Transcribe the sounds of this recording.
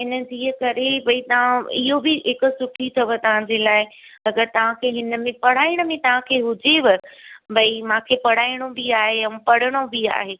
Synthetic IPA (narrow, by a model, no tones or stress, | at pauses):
ɦɪnəd͡ʑiːəkɐɾebɐit̪ɐʋ̤ãɪɦobɪɦɪkʊsʊʈʰit̪ʰɐʋət̪ɐʋ̤ãɲd͡ʑeːlaːɪɐɡəɾt̪ɐʋ̤ãkʰeːɦɪnə̆mẽpɐɽ̤aːiɽ̃əmẽt̪ɐʋ̤ãkʰeːɦʊd͡ʑeʋɐbɐimãːkʰepɐɽ̤aːiɽ̃obiaːɦeɐũpɐɽ̤əɽ̃obia̰ːɦeː